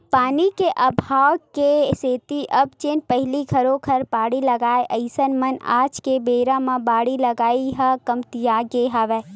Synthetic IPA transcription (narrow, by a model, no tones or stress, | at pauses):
paːnikeʔɐbʱaːwkeseːt̪iʔɐbt͡ʃeːnpɐɦɪlikʰɐɾõkʰɐɾpaːɽilɐɡaːeʔɐɪsənmɐna̰ːd͡ʒkebeːɾãmãbaːɽilɐɡaːiɦakɐmt̪ijaːɡeɦaʋeː